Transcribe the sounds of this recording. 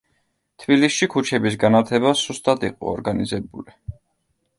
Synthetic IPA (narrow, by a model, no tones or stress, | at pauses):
t̪ʰbilisʃikʰut͡ʃʰɛbisɡanat̪ʰɛbasust̪ʼad̪ḭqʼɔ̰ɔ̰ɾɡanizɛbuli